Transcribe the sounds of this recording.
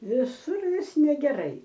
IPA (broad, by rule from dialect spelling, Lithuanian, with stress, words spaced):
ʋʲɪˈsʊr ˈʋʲɪs nʲɛɡʲɛˈrɐɪ